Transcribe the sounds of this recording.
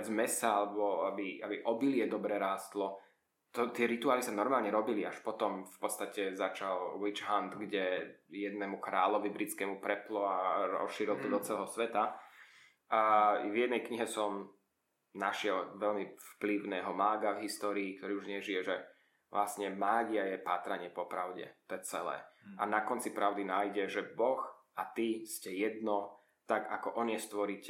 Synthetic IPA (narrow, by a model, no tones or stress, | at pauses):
d͡zmɛsaalɛbɔabiabiʔɔbilɪɛd̪ɔbɾɛɾaːst̪lɔ | t̪ɔt̪ɪɛɾit̪uaːlisanɔɾmaːlɲɛɾɔbiliaʃpɔt̪ɔmfpɔt̪st̪acɛzat͡ʃalwit͡ʃɦand̪ɡɟɛjɛd̪nɛːmukɾa̰ːlɔʋibɾit͡skɛːmupɾɛplɔaɾɔ̰sʃiːɾilt̪ɔd̪ɔt͡sɛlɛɦɔsʋɛt̪a | ʔavjɛd̪nɛjkɲiɦɛsɔm | naʃɪɛlʋɛlmifpliʊnaɦɔmaːɡavɦist̪ɔːɾiːkt̪ɔɾiːuʒɲɪɛʒijɛʒɛ | ʋlasɲɛmlaːɟɪajɛpaːt̪ɾaɲɪɛpɔpɾaʊɟɛ̰t̪ɔjɛt͡sɛlɛ̰ːanakɔnt͡sipɾaʊd̪inaːjɟɛʒɛbɔx | at̪iscɛjɛd̪nɔ | t̪aɡa̰kɔʔɔɲɪjɛst̪ʋɔɾic